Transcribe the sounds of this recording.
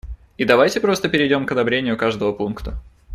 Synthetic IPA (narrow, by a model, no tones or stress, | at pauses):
id̪ɐvajtʲɪpɾo̞st̪əpʲɪɾʲɪdʲo̞mkɐd̪ɐbɾʲenʲɪjʊkaʐd̪əvəpunkt̪ə